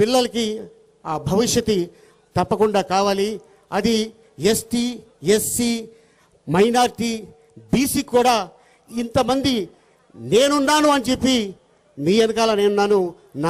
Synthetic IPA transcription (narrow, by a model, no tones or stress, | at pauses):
pilːɐlɐki | aːbʱɐʋiʂjɐt̪i | t̪ɐpːɐkuɳɖaːkaːʋaːli | ɐd̪i | esʈiː | esːiː | mɐjnaːɾʈi | biːsiːkuːɽaː | int̪ɐmɐnd̪i | ne̞ːnunːaːnuɐnit͡ʃepːi | miːɐnukaːlaːne̞ːnunːaːnu | na